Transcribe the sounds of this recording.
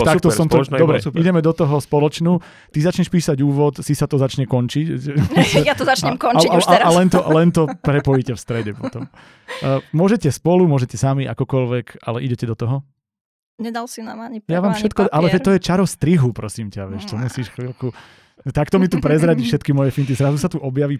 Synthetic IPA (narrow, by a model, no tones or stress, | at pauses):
t̪akt̪ɔɔmt̪ɔd̪ɔbɾɛiɟɛmɛd̪ɔt̪ɔɦɔspɔlɔt͡ʃnuː | t̪izat͡ʃɲɛʃpiːsaɟuːʋɔt̪sisat̪ɔzat͡ʃɲɛkɔnt͡ʃicsjat̪ɔzat͡ʃɲɛkɔaaaalɛnt̪ɔʔlɛnt̪ɔpɾɛpɔjicɛfst̪ɾɛɟɛpɔt̪ɔmː | mʊɔʒɛcɛspɔlumʊɔʒɛcɛsamiʔakɔkɔlʋɛkalɛʔiɟɛcɛd̪ɔt̪ɔɦɔ | ɲɛd̪alsinamaɲijaʋaːmfʃɛt̪kɔʔalɛɛt̪ːɔjɛt͡ʃaɾɔst̪ɾiɦupɾɔsiːmcaʋɪɛʃt̪ɔmusiːʃxlilku | t̪akt̪ɔmit̪upɾɛzɾaɟiːfʃɛt̪kimɔjɛfint̪̬izɾazusat̪uʔɔbjaʋiː